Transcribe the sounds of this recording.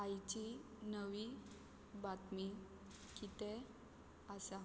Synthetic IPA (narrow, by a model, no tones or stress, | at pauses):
ajt͡ɕi | nəʋi | bat̪mi | kit̪e | asa